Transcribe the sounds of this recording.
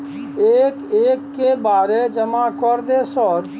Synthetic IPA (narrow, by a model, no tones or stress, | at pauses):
eːkeːkːebaːɾed͡ʒɐmakɔɾd̪esɔːɾ